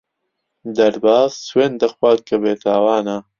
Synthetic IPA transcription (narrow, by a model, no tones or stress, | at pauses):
d̪ɐɾbaːzsweːnd̪ɐxwaːd̪̚kɐbeːt̪ʰaːwaːna